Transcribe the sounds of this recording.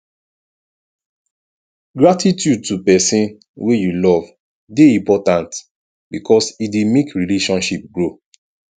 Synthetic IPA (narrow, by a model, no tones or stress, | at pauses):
ɡɹatitjud̚tupɛsĩn | wejulɔv | deĩmpɔtãnt | bikʰɔsidemekɹileʃɔ̃nʃip̚ɡɹo